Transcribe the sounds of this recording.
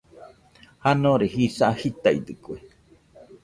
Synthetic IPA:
hanõɾehisaʔhit̪aḭd̪ɨkue

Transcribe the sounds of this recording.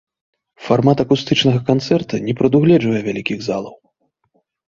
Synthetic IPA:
farmat̪ɐkust̪ɨt͡ʂnɐɣɐkant̪sɛrt̪ɐnʲɛpɾɐd̪uɣlʲɛd͡ʐvɐjɛvʲalʲikʲiɣzalˠɐw

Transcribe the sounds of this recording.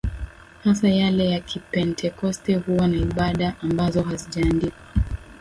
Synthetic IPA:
hasajalɛjakʰipɛntʰɛkɔstɛhuwanaiɓaɗaʔambazɔɦaziʄaːndika

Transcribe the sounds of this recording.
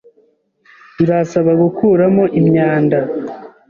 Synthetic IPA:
iɾasaβaɡukuːɾamo̞ʔimɲaːnda

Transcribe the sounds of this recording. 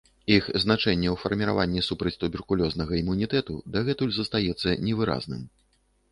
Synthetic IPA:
ixznat͡ʂɛnʲːɛwfɐrmʲiɾa̰vanʲːisupɾɐt͡sʲt̪ubʲɛrkulʲɔznɐɣɐimːunʲit̪ɛt̪ṵd̪ɐɣɛt̪ulʲzɐst̪ajɛt̪sːɐnʲɛvɨɾa̰znɨ̰m

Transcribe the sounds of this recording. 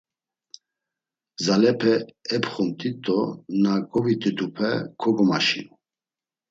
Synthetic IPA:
zalɛpʰɛɛpχumt̪ʼit̪ʼɔnaɡɔvit̪ʼid̪upʰɛ̰kʰɔɡɔma̰ʃḭn

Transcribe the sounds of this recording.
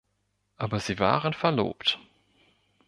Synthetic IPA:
ʔaːbɐziːva̰ːʁənfɛɐlo̰ːpt

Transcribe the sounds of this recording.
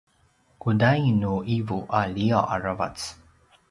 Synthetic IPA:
kudajnuʔivuʔaliaʔa̰ɹava̰t͡s

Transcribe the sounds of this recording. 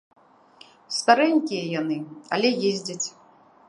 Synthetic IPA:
st̪aɾɛnʲkʲijɛjanɨɐ̰lʲɛjezʲd͡zʲɐt͡sʲ

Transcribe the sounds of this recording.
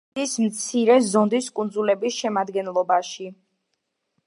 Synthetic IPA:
ismt̪sʰiɾɛzɔnd̪iskʼund̪zulɛbisʃɛmad̪ɡɛnlˠɔbaʃi

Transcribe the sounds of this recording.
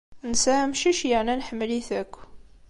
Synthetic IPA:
nsæmʃiʃjəʕnænħmːəliθækʷː

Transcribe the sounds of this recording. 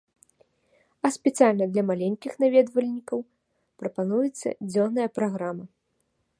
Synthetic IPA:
ɐspʲɛt̪sijalʲnɐd̪lʲɐmalʲenʲkʲixnavʲɛd̪vɐlʲnʲikɐw | pɾɐpanujɛt̪sːɐ̰d͡zʲɔnːɐjɐpɾaɣɾamɐ

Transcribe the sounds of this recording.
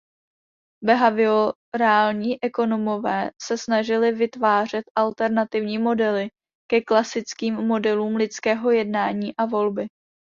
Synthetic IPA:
bɛɦavɪo | ɾaːlɲiːʔɛko̞no̞mo̞vɛːsɛsnaʒɪlɪvɪt̪vaːr̝ɛt̪ʔalt̪ɛɾnat̪ɪvɲiːmo̞dɛlɪ | kɛklasɪt͡skiːmːo̞dɛluːmlɪt͡skɛːɦo̞jɛdnaːɲiːʔavo̞lbɪ

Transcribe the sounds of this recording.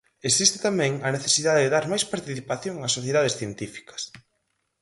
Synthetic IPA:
esist̪ɪ̥t̪amɛ̃ŋɐneθesiðaðeðeðaɾmajspaɾt̪iθipaθjoŋasoθjeðað̞esθjent̪ifi̥kɐ̥s

